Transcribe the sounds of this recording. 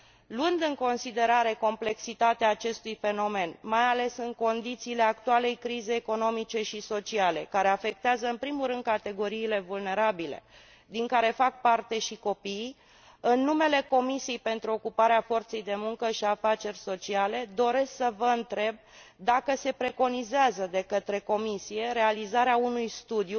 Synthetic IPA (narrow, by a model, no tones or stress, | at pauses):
lwɨnd̪ɨŋko̞nsid̪e̞ɾaɾe̞ko̞mple̞ksit̪at̪eaːt͡ʃe̞st̪ujfe̞no̞me̞nmajale̞sɨŋko̞nd̪it̪siːle̞ak̚t̪uale̞jkɾizeːko̞no̞mit͡ʃe̞ʃiso̞t͡ʃiale̞̰kaɾe̞afe̞k̚t̪eazəɨnpɾimuɾɨnd̪̚kat̪e̞ɡo̞ɾiːle̞vulne̞ɾabile̞̰ | d̪iŋkaɾe̞fak̚part̪e̞ʃiko̞pij | ɨnːume̞le̞ko̞misijejpe̞nt̪ɾuo̞kupaɾeafo̞rt̪se̞jd̪e̞muŋkəʃiafat͡ʃe̞rʲso̞t͡ʃiale̞d̪o̞ɾe̞sksəvəɨnt̪ɾe̞b̚d̪akəse̞pɾe̞ko̞nizeazəd̪e̞kət̪ɾe̞ko̞misije̞ɾe̞alizaɾeaunujst̪ud̪ju